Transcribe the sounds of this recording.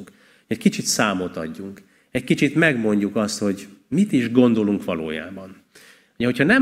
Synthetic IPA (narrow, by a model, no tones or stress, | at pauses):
k | ɛckit͡ʃit̪saːmo̞t̪ɒ̰ɟːuŋk | ɛckit͡ʃit̪mɛɡmo̞ɲɟukɒst̪ho̞ɟmit̪iʒɡo̞nd̪o̞luŋkʋɒlo̰ːja̰ːbɒn | uɟɛɦo̞chɒnɛ